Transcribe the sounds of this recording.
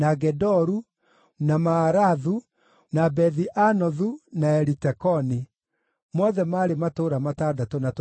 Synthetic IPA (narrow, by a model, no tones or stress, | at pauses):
naɡɛdɔɾu | namaːɾaðu | nabɛðiʔanɔðunaɛɾitɛkɔni | mɔðɛmaːɾematoɾamatadatonat